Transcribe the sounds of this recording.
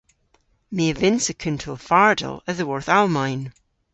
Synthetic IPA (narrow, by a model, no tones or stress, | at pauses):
meəvɪ̃nsəkʰʉ̃ntʰolˠfaɹdə̰lˠəðəwɔɹθalˠmaɪn